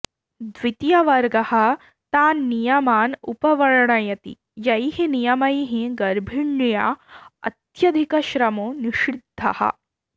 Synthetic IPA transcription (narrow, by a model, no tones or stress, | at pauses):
d̪ʋit̪jɐʋɐɾɡɐhɐ̆ | t̪aːnːijɐmaːnṵpɐʋɐɾɐɳɐjɐt̪ḭ | jɐjɦenijɐmɐjɦẽɡɐɾbʱiɳːjaːɐ̰t̪jɐd̪ʱikɐʃɾɐmoːniʃid̪ʱːɐ̰hɐ̰